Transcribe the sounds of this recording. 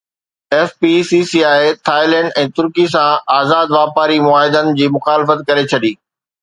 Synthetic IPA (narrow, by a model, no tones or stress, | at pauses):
ɛːfpisisiaːet̪ʰaːɪlɛ̃ɳɖɛ̃ːt̪ʊɾkis̬ãaːzaːd̪ʋaːpaːɾimʊaːɦɪd̪ənɪ̆d͡ʑiːmʊxaːlɪfət̪kɐɾet͡ɕʰɐɗiː